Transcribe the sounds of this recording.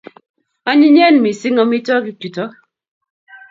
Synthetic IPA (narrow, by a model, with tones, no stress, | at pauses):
a˦ɲi˦ɲ˦ɛ˦n˨mi˨si˦ŋɔ˦mi˦tɔ˦ki˨ku˨tɔ˦k̚